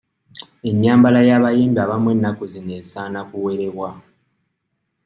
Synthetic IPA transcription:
e̞ɲːaːmbalajaβajeːmdaβamwe̞nːakuzineːsaːnakuwe̞ɾe̞βwa

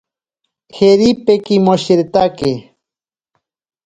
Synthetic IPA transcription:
xeɾipekimoʃeɾt̪ake

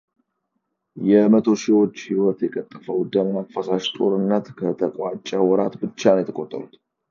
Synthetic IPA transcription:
jɛmət̪ʰo̞ʃiwo̞t͡ʃːhiwɔt̪jɛkʼət̪ʼːəfəwd̪əmafasaʃt̪ʼo̞ɾɨnːət̪kʰət̪ʰəkʼwat͡ʃʼːɛwɔɾat̪bɨt͡ʃːanojɛt̪ʰəkʼot̪ʼːə̰ɾut̪

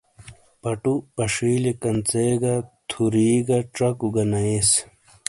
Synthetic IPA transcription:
pɐʈupɐʂiːlikɐnt͡seɡɐt̪ʰuɾiːɡɐʈ͡ʂɐkuɡɐnɐes

